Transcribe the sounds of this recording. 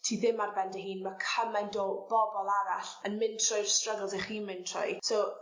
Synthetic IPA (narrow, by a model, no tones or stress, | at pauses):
tʰiːðɪmarbɛndɛɦiːnmakʰəmajndoːb̥ɔbɔlˠaɾaɬənmɪntʰrɔjrstrəɡlˠseχiːnmɪntʰrɔ̰jso